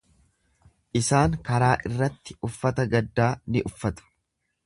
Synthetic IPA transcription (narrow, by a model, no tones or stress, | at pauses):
ʔɪsaːŋkɐɾaːʔɪrːɐt̪ːɪ̥ʊfːɐt̪ɐɡɐd̪ːaːnɪʔʊfːɐt̪ʊ̥